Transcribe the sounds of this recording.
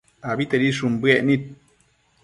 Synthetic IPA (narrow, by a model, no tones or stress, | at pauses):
abit̪eɾiʂumbɨeʔnit̪̚